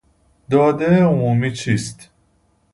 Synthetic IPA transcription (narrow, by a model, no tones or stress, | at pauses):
d̪ɒːd̪eeomuːmiːt͡ʃʰiːst̪